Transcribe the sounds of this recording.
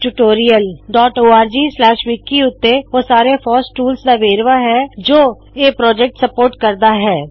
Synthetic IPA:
ʈuʈoːɾijəlɖɔːʈoːaːɾd͡ʒiːslɛːʃʋikiʊt̪ːeoːsaːɾefɔːsʈuːlsd̪aʋeːɾʋaɦɛd͡ʒoː | eːpɾɔːd͡ʒɛk̚ʈsəpoːɾʈkəɾd̪aɦɛː

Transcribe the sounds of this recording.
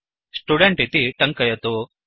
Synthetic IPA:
sʈuɖeɳʈit̪iʈɐŋkɐjɐt̪u

